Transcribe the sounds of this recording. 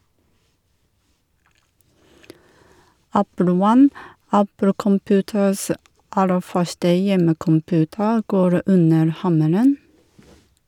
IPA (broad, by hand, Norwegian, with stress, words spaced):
ˈæpl̩ ˈwɑn ˈæpl̩ kɔmˈpʉːtəs ə ˈʔɑlə ˈfœʃtə ˈjɛməkɔmˌpʉːtə ˈɡoːɾ ˈʉnəɾ ˈhɑməɾən